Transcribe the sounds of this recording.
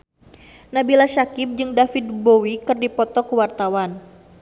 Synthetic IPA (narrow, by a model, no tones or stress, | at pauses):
nabilasakɪp̚d͡ʒɨŋdafid̪̚bowikɨrdipɔt̪ɔkəwart̪awan